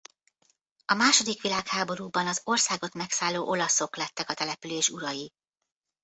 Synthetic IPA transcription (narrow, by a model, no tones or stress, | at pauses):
ɒmaːʃo̞d̪ikʋilaːkhaːbo̞ɾuːbɒnɒzo̞rsaːɡo̞t̪mɛksaːlːoːʔo̞lɒso̞klɛt̪ːɛkɒt̪ɛlɛpyleːʃuɾɒji